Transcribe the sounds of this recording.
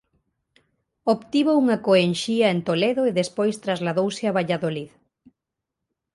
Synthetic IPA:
oβt̪iβouŋɐkoenʃiɐent̪oleðoeðespojst̪ɾazlaðowsɪaβaʎaðolið

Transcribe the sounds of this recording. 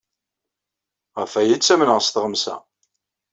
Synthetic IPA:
ʁəfæjit͡sːæmənəʁst̪ʁəmsæ̰

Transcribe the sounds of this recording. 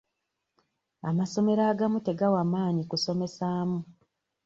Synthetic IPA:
amaso̞me̞ɾaːɡamute̞ɡawamaːɲikuso̞me̞saːmu

